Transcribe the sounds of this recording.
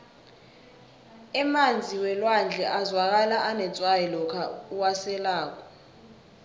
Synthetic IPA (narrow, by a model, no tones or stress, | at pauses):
ɛmand͡zʱiwɛlwand͡ɮʱɛʔazwak̬alaʔanɛt͡sʼwajɛlɔkʰa̰uwasɛlaːk̬ʼɔ